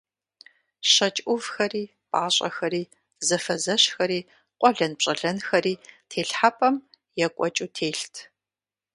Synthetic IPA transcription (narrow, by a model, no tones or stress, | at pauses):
ɕɐt͡ʃʼʷʊvxɐriː | pʼaːɕʼɐ̰xɐɾiː | zɐfɐzɐɕxɐɾiː | qʷʼɔɮɐnpɕʼɐɮɐnxɐɾiːtʰeːɬħapʼɐm | jɛkʷʼɔt͡ʃʼutʰeːɬtʰ